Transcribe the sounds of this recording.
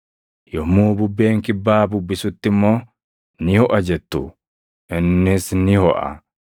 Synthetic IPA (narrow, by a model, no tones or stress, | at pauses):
jɔmuːbʊbːeːŋkɪbːaːbʊbːɪsʊt̪ːɪmːo̞ː | nɪhɔʔɐd͡ʒɛt̪ːu | ʔɪnːɪsnɪhɔʔɐ̰